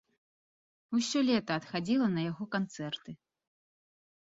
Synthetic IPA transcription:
usʲɔlʲɛt̪ɐːt̪xad͡zʲilˠɐnɐjaɣɔkant̪sɛrt̪ɨ

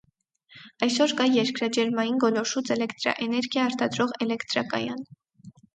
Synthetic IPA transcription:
ɑjsɔɾkɑjɛɾkɾɑd͡ʒɛɾmɑjinɡɔlɔʃut͡sɛlɛkt̪ɾɑ̰ʔɛnɛɾɡjɑɑɾt̪ʰɑd̪ɾɔʁɛlɛkt̪ɾɑ̰kɑ̰jɑn

